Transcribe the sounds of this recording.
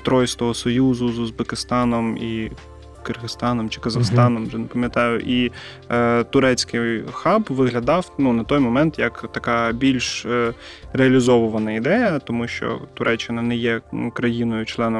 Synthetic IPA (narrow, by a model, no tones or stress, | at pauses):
t̪ɾɔjst̪ɔɦɔsɔjuzʊzʊzbekɪst̪ɑnɔmi | kɪrɦɪst̪ɑnɔmt͡ʃɪ̥kɐzɐxst̪ɑnɔmʒɛnɐpɐmʲjɐt̪ɑjʊ̰ʔi | t̪ʊɾɛt͡sʲkɪxɑpʋɪɦlʲɐd̪ɑwnunɐt̪ɔjmɔmɛnt̪jɐkt̪ɐkɑbʲilʲʃ | ɾeɐlʲizɔʋʊʋɐnɐid̪ɛjɐt̪ɔmuʃt͡ʃɔ̰t̪ʊɾʔɛt͡ʃːɪnɐnɛjɛkɾɐjinɔjʊt͡ʃlˠɛnɔ